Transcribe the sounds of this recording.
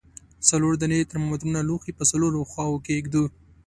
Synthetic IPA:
saloɾd̪anet̪əɾmod̪ɾunaluxipəsaloɾoxwɑwokeɡd̪u

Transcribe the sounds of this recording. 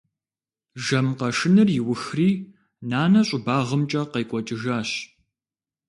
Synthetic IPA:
ʒɐmqɐʂɨnɨrjɪwʊxriː | naːnɐɕʼʊbaːʁəmt͡ʃʼɐqɐjkʷʼɔt͡ʃʼɪʒaːɕ

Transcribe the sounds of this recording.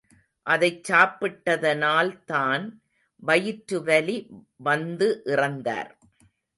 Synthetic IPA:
ʔɐðɐɪt͡ʃːaːpːɪʈːɐðɐnaːlt̪aːn | ʋɐjɪʈɾɯʋɐli | ʋɐnd̪ɯʔɪrɐnd̪a̰ːɾ

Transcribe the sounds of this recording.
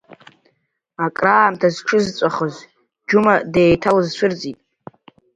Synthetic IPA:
akʼraːmtʰazʈ͡ʂʰɨzt͡sʷʼaχəz | d͡ʒumadeːjtʰalɨzʃʷɨrt͡sʼitʼ

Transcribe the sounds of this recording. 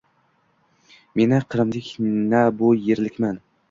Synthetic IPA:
me̞nɪqʰɨɾɨmd̪ɪkʲnabʊjeɾlɪkʲman

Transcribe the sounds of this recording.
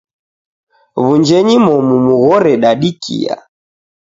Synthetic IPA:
βund͡ʒɛɲimɔmumuɣɔɾɛɗaɗikʰḭa̰

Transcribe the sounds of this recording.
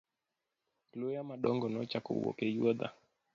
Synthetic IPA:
lujamaɗɔŋɡɔnɔt͡ʃakṵwɔ̰kɛjwɔd̪a̰

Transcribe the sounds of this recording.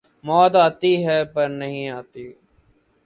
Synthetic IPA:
mɔːt̪aːt̪iːɦɛːpəɾnəɦĩːaːt̪iː

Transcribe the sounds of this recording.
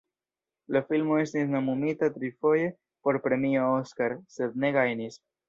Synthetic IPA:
lofilmoest̪eznamumit̪at̪ɾifoje | poɾpɾemiooskaɾsed̪neɣajnis

